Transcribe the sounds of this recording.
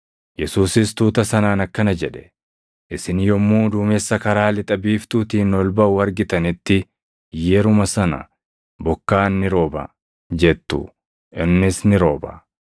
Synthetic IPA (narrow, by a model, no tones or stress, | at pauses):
jɛsuːsɪst̪uːt̪ɐsɐnaːnɐkːɐnɐd͡ʒɛᶑɛ̥ | ʔɪsɪnjɔmːuːd̪uːmɛsːɐkɐɾaːlɪt̪ʼɐbiːft̪uːt̪iːnɔlbɐʔʊɐɾɡɪt̪ɐnɪt̪ːɪ | jɛɾʊmɐsɐnɐ̰ | bɔkːaːnːɪɾo̞ːbɐ̰ | d͡ʒɛt̪ːʊ̰ | ʔɪnːɪsnɪɾo̞ːbɐ̰